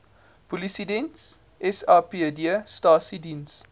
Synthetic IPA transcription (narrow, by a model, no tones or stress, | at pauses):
polisidɛns | ʔɛsɑːpediəstɑːsidins